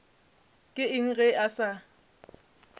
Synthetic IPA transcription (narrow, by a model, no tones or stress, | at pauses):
kʼɪɪŋ̩ɣɛʔasa